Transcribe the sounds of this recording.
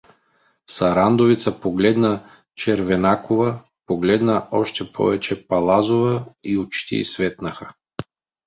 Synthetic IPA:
sɐɾand̪ovit̪səpoɡlɛd̪nə | t͡ʃɛɾvɛnakovə | poɡlɛd̪nəʔɔʃt̪ɛpʰɔ̰vɛt͡ʃɛpɐlˠazovəiot͡ʃt̪ḭsvɛt̪nəxə

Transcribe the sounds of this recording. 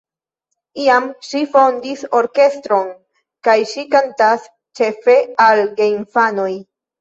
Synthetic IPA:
iamʃifo̞ndiso̞ɾke̞stɾo̞n | kajʃikantas | t͡ʃe̞fe̞alɡeinfano̞j

